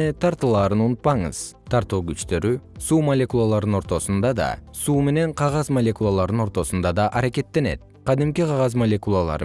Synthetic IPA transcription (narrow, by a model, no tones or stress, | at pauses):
et̪ʰɑɾt̪ɯlˠɑːɾɯnunt̪̚pɑɴɯ̰z̥t̪ʰɑɾt̪uːɡyt͡ʃt̪ø̞ɾysuːmɐlʲe̞kulˠalˠɑɾd̪ɯno̞ɾt̪o̞sund̪ɑd̪ɑ̰suːme̞ne̞ɴqʰɑʁɑzmɐlʲe̞kulˠalˠɑɾd̪ɯno̞ɾt̪o̞sund̪ɑd̪ɑʔɑɾake̞t̪ːe̞ne̞̰t̪̚ | qʰɑd̪imkiqʰɑʁɑzmolʲe̞kulˠalˠɑ̰ɾ